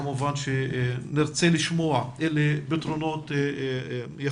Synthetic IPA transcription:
amuvanʃeniʁt͡seliʃmoaʔelebit̪ɾono̞t̪ | ja

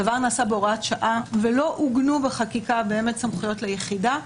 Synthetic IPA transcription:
avaʁnaːsabeo̞ʁatʃaʔavelo̞ʔuɡnubeχakikabe̞eme̞tsamχujo̞tlejeχida

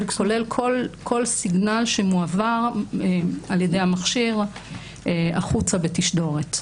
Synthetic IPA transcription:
ko̞le̞lkʰolkʰo̞lsiɡnalʃemuavaʁ | aljedejhamaχʃiʁ | a̰χut͡sabetiʃdo̞ʁet

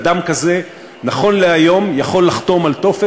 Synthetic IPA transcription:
d̪amkaze | naχo̞nleajo̞mjaχo̞lːaχt̪o̞malt̪o̞fe

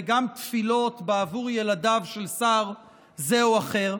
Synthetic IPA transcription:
ɡamt̪filo̞t̪beavuʁjeladavʃe̞lsaʁ | ze̞oaχe̞ʁ

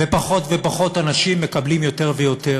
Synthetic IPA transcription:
vepaχo̞tvepaχo̞tanaʃimːe̞kablimjote̞ʁvejo̞t̪e̞

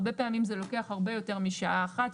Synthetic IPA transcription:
be̞pe̞amimzelo̞ke̞aχhaʁbe̞jo̞te̞ʁmiʃaʔaːχat̪

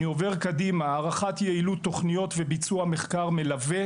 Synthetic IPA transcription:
io̞veʁkad̪imaːʁaχat̪jeilut̪ːo̞χnijo̞t̪vebit͡suame̞χkaʁme̞lave

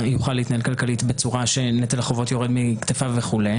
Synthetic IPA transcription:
juχalit̪naelkalkalit̪bet͡suʁaʃe̞net̪elaχo̞vo̞t̪jo̞ʁed̪mikt̪efaveχule

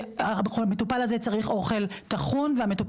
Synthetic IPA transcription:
ame̞tupalhazet͡saʁiχo̞χe̞ltaχunveametu

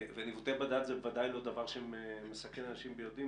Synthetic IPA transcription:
venivut̪ebad̪aːt̪zebevad̪ajlo̞d̪avaʁʃeemmesakenanaʃimbejod̪im

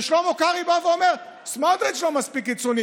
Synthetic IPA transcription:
ʃlomokaʁibavomeʁ | smod̪ɾet͡ʃlomaspikisuni

